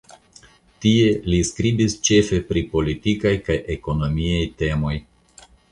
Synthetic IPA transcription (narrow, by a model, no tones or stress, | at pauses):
tie̞liskɾibist͡ʃe̞fe̞pɾipo̞litikajkajʔe̞ko̞no̞miajte̞mo̞j